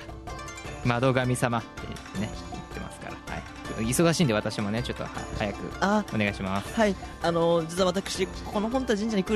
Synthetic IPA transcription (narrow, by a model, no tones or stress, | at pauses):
mad̪o̞ɡamʲisamat̪ːe̞̰ɯ̰t̪ːene̞it̪ːe̞̰ma̰sɨ̥ka̰ɾa̰ha̰i | iso̞ɡaɕĩːnd̪e̞at̪aɕimo̞ne̞t͡ɕo̞t̪ːo̞̰ha̰hajakɯ̟̰ao̞neɡaiɕimasɨ̥haiano̞d͡ʑit͡sɨβaβat̪akɯ̥ɕiko̞noɦõnt̪od͡ʑĩɲd͡ʑaɲikɯ